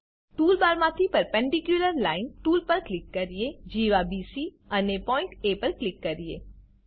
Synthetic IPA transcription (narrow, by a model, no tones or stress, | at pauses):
ʈuːlbaːɾmãt̪ʰipəɾpɛ̃ɳɖikjuləɾlaːɪnʈuːlpəɾklɪkːəɾied͡ʒiːʋabiːsi | ənepɔːɪ̃ɳʈepəɾklɪkːəɾijḛː